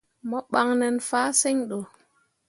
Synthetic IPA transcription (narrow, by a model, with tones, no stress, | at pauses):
mɔ˦ɓa˦˨ŋnɛ˨nfaː˦sɛ˦ɲɗo˨